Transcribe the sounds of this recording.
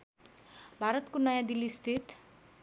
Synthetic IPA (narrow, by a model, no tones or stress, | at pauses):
bʱaɾʌt̪konʌjãd̪ilist̪ʰit̪